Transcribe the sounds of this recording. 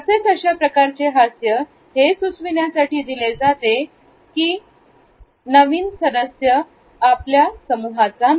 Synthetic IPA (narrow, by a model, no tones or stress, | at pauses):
əset͡səɕjapɾəkaɾt͡seɦasjə | hesut͡sʰʋiɳjasaʈiːd̪iled͡zat̪e | kiː | nəʋiːnsəd̪əsjə | apljasəmuɦat͡sa